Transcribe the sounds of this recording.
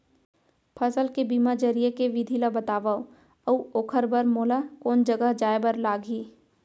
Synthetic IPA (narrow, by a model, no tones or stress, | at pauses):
pʰəsəlkebiːmad͡ʒəɾijekeʋid̪ʱiːlabət̪aːʋao | əuoːkʰəɾbəɾmoːlakoːnd͡ʒəɡəɦd͡ʒaːebəɾlaːɡʱiː